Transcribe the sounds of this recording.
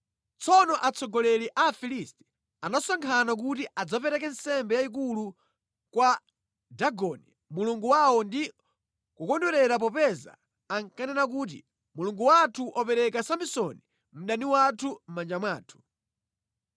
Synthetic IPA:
t͡sɔnɔʔat͡sʰɔɡɔlɛliʔafilistɛ̥ | anasaŋkʰanak̬utiʔad͡zapɛɾɛkɛnsɛmbɛjaik̬ulu | kwa | daɡɔn̰i | muluŋɡuwawɔndi | kukɔndwɛɾɛɾap̬ɔpɛza̰ː | ŋkanɛnak̬ut̬ḭ | muluŋɡuwatʰuʔɔpɛɾɛkasambisɔni | m̩ɗaniwatʰum̩mand͡ʒamwaːtʰu̥

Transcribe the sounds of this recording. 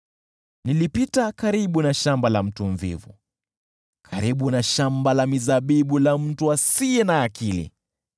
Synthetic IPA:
nilipitakaɾiɓunaʃambalam̩tuɱvḭvṵ | kʰaɾiɓunaʃambalamizaɓiɓulam̩tuasiɛnaːkilḭ

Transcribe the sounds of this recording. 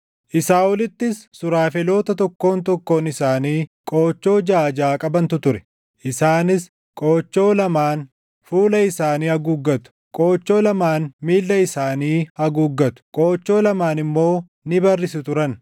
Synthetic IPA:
ʔɪsaːʔʊlɪt̪ːɪsːʊɾaːfɛlo̞ːt̪ɐt̪ɔkːo̞ːnt̪̬ɔkːo̞ːnɪsaːniːkʼoːt͡ʃːo̞ːd͡ʒaːd͡ʒaːkʼɐbɐnt̪ʊt̪ʊɾɛ̥ | ʔɪsaːnɪs | kʼoːt͡ʃːo̞ːlɐmaːn | fuːlɐɪsaːniːɐɡuːɡːɐt̪ʊ̥kʼo̞ːt͡ʃːo̞ːlɐmaːnmiːlːɐɪsaːniːhɐɡuːɡːɐt̪ʊ̥kʼo̞ːt͡ʃːo̞ːlɐmaːnɪmːo̞ː | nɪbɐrːɪsɪt̪ʊɾɐn

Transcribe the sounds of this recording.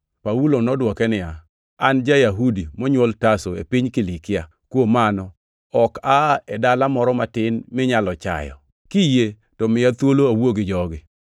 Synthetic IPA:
paulonɔdwɔkɛnɪja | and͡ʒajaɦudimɔɲwoltasoḛpiɲkɪlikɪa̰ | kwomanɔ | ɔkaɛdalamɔɾɔmatɪnmɪɲalɔt͡ʃa̰jɔ̰ | kije | tɔmɪat̪woloawoɡɪd͡ʒɔɡɪ

